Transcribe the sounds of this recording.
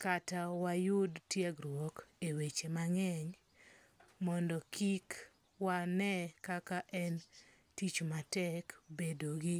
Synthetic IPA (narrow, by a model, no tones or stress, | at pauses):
katawajʊdtjɛɡɾwɔkewet͡ʃemaŋɛɲ | mɔndɔkik | wanɛkakaʔɛn | tit͡ʃmatɛkbedoɡɪ